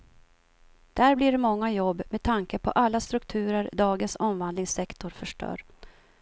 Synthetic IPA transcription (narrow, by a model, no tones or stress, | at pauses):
d̪̥æɾbliɖɛmɔŋːajɔbːmed̪̚t̪ʰaŋkəpʰɔ̰ʔalːast̪ɾɵkt̪ʰʉ̟ːɾəɾd̪ɑːɡənsɔmvand̪lɪŋsɛkt̪ʊɾfœʂʈœ̰ːɾ